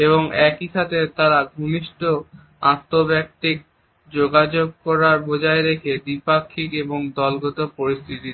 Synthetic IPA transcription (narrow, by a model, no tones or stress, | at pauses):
eβoŋɛkiʃat̪ʰet̪aɾaɡʱuniʃʈo | at̪ːobɛk̚t̪ik̚ | d͡ʑoɡad͡ʑoɡ̚kɔɾaɾbod͡ʑaeɾekʰed̪ipakʰːikeboŋd̪ɔlɡɔt̪opoɾist̪ʰit̪i